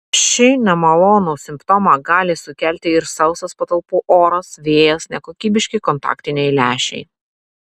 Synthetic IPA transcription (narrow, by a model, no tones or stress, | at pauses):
ʃʲɪnʲɛmɐlˠoːnoːsʲɪmpt̪ɔːmɑɡɑːlʲɪsʊkʲælʲt̪ʲɪɪɾsɐʊsɐspɐt̪ɐlˠpuːʔoːɾɐsʋʲeːjɛsnʲɛkoːkʲiːbʲɪʃʲkʲɪkɔnt̪ɑ̰ːkt̪ʲɪnʲɛɪlʲæːʃʲɛ̰ɪ